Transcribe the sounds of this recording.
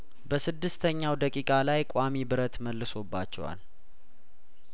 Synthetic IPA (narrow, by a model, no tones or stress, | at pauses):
bəsɨd̪ːɨst̪ʰəɲːawd̪əkʼikʼalajkʼamibɨɾət̪məlːɨso̞bːa̰t͡ʃːɛ̰wa̰l